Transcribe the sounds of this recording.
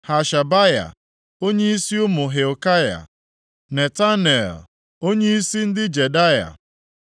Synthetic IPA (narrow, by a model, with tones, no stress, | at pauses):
ha˨ʃa˨ba˦ja̰˨ | o˦ɲe˦i˦si˦ʊ˦mʊ˨ɦe˨o˨ka˦ja̰˨ | ne˨ta˦ne˨l | o˦ɲe˦i˦si˦n̩˦dɪ˦d͡ʒe˨da˦ja̰˨